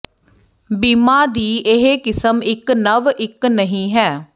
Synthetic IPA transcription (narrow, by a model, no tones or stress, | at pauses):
biːmaːd̪iːʔɪɦeːkɪsəmɪknəʋɪknəɦĩːɦɛː